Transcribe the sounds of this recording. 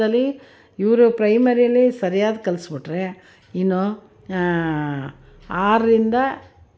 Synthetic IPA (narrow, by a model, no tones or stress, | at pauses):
ɐlːi | iʋɾupɾɐjmɐɾijɐlːisɐɾijaːd̪kɐlsbiʈɾe | inːo | aːɾɐɾind̪ɐ